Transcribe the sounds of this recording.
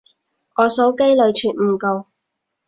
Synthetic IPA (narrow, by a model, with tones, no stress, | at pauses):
ʔɔː˨˧sɔː˨˥wke˥jlɵ˨˧ɥt͡ʃʰyː˨t̚m̩˨˩ko˨˧w